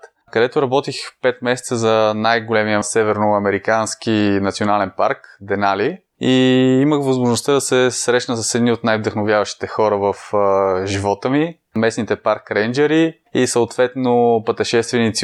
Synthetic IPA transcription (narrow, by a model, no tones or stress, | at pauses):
t̪ | kəd̪ɛt̪ʊɾɐbɔt̪ixpɛt̪̚mɛsɛt̪səzɐnajɡolɛmijəsɛvɛɾnoɐmɛɾikansk̟inɐt̪sionalɛnpa̰ɾkd̪ɛnali | iiməxvɐzmoʒnost̪ad̪ɐsɛsɾɛʃnəsəsɛd̪niot̪najvd̪ɐxnovjavəʃt̪i̥t̪ɛxɔɾəvəfʒivɔt̪əmi | mɛsnit̪ɛpaɾkɾɛnd͡ʒɛɾi | isəʊt̪vɛt̪nopət̪ɛʃɛst̪vɛnit̪si